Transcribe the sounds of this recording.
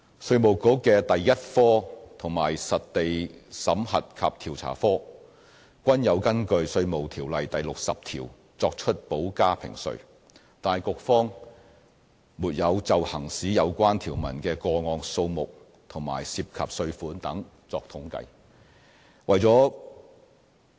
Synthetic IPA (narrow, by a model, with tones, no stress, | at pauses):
sɵ˧ɥmo˨˩wko˨˥kɛː˧t̪ɐ˨jjɐ˥t̚fɔː˥t̪ʰʊ˨˩ŋmaː˨˩jsɐ˨t̚t̪e˨jsɐ˨˥mhɐ˨t̚kʰaː˧p̚t̪ʰiː˨˩wt͡sʰa̰ː˨˩fɔː˥ | kʷɐ˥njɐ˨˧wkɐ˥nkɵ˧ɥsɵ˧ɥmo˨wt̪ʰiː˨˩wlɐ˨jt̪ɐ˨jlʊ˨k̚sɐ˨p̚t̪ʰḭː˨˩w | t͡sɔː˧k̚t͡ʃʰɵ˥t̚po˨˥wkaː˥pʰɪ̰˨˩ŋsɵ̰˧ɥ | t̪aː˨jkʊ˨k̚fɔː˥ŋ | muː˨˩t̚jɐ˨˧wt͡sɐ˨whɐ˨˩ŋsiː˨˥jɐ˨˧wkʷaː˥nt̪ʰiː˨˩wmɐ̰˨˩nkɛː˧kɔː˧ŋɔː˧ŋso˧wmʊ˨k̚ | t̪ʰʊ˨˩ŋma̰ː˨˩jsiː˧p̚kʰɐ̰˨p̚sɵ˧ɥfuː˨˥nt̪ɐ˨˥ŋ | t͡sɔː˧k̚t̪ʰʊ˨˥ŋkɐ̰˧˥j | wɐ˨jt͡sɔː˨˥